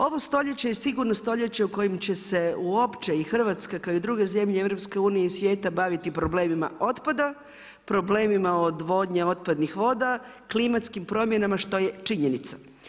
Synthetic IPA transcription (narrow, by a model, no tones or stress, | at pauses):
o̞ʋo̞st̪o̞ʎet͡ɕejesiɡuɾnost̪o̞ʎet͡ɕe̞uko̞jimt͡ɕe̞se̞uopt͡ʃe̞ixr̩ʋat̪skakaoid̪ɾuːɡe̞ze̞mʎeeʋɾo̞pske̞uːnijeisʋje̞ːt̪abaʋit̪ipɾo̞ble̞ːmima̰o̞t̪pad̪a | pɾo̞ble̞ːmimao̞d̪ʋo̞ːd̪ɲeo̞t̪̚pad̪nixʋo̞ːd̪a | klimat̪skimpɾo̞mje̞namaʃt̪o̞je̞t͡ʃiɲenit̪sḁ